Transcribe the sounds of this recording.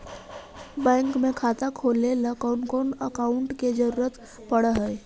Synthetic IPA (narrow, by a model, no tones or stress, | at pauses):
bɛ̃ːŋkmekʰat̪akʰoleləkəʊnkonəkaʊɳʈked͡ʒəɾuːɾət̪ | pəɽəɦəj